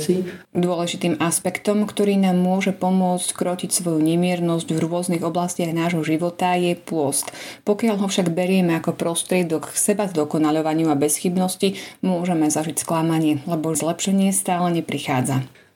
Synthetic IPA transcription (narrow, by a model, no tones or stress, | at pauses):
id̪ʊɔlɛʒit̪iːmʔaspɛkt̪ɔmkt̪ɔɾiːnaːmːʊɔʒɛpɔmʊɔt͡sckɾɔcicsʋɔjuɲɛmɪɛɾnɔzɟvɾʊɔzniɣɔblascɪaɣnaːʒɦɔʒiʋɔt̪ajɛpʊɔst̪pɔkɪaʎɦɔfʃaɡbɛɾɪɛmɛakɔpɾɔst̪ɾɪɛd̪ɔkːsɛbazd̪ɔkɔnaʎɔʋaɲɪuabɛsxibnɔscimʊɔʒɛmɛzaʒicsklamaɲɪɛlɛbɔzlɛpʃɛɲɪɛst̪aːlɛɲɛpɾixa̰ːd͡za